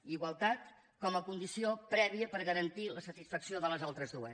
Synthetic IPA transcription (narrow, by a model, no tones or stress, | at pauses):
iɣwəlˠt̪at̪ | kɔməkund̪isiopɾɛβ̞iəpəɾɣəɾənt̪iləsət̪isfəksioðələzalˠt̪ɾəzðuə